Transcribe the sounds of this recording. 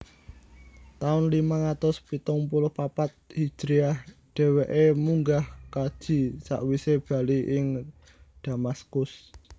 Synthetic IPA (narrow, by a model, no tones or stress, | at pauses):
t̪aʊnlimaŋat̪ʊspit̪ʊŋpulʊhpapat̪̚hid̥ɾiahɖ̪̥ɛ̤weʔemuŋɡahkad̥ʒ̥i̤sa̰ʔwiseb̥a̤liʔɪŋ | d̪̥a̤maskʊs